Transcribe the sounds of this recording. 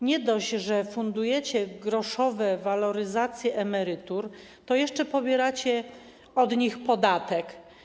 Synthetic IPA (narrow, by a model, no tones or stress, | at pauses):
ɲɛd̪ɔʑʐɛfund̪ujɛt͡ɕɛɡɾɔʂɔvɛvalɔɾɘzat̪sʲjɛʔɛmɛɾɘt̪uɾ | t̪ɔjɛʂt͡ʂɛpɔbʲjɛɾat͡ɕɛ | ɔd̪ɲixpɔd̪at̪ɛk